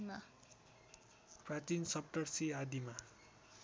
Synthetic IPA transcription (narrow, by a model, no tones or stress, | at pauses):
ma | prat͡sinsʌp̚ʈʌrsiad̪ima